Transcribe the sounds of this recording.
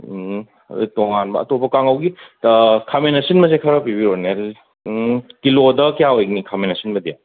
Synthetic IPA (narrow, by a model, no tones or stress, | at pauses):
dṵtoŋanbɐ̰ɐ̰topːɐkaŋɐwɡi | kʰamenɐsinmɐsekʰɐɾɐpibiɾone | kilodɐkijaojknikʰamenɐsinmɐdija